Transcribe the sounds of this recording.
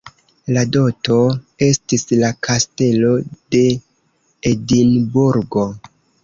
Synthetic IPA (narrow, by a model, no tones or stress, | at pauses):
lado̞to̞ | e̞stislakʰaste̞lo̞d̥e̞ | edinbuɾɡo̞